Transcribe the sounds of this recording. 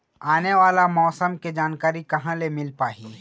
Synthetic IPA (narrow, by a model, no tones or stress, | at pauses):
aːneʋaːlamɔːsəmked͡ʒaːnkaːɾikɐɦãlemɪlpaːɦiː